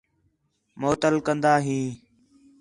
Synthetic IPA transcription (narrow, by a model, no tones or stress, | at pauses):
moːt̪əlkənd̪aːɦĩː